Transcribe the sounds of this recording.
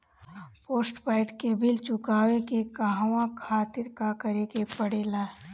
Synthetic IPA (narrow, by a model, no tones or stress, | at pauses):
poːsʈpaːɪʈkebʱɪlt͡ʃʊkaːʋekekaɦʋãkʰaːt̪ɪɾkakəɾekepəɽeːlaːɦ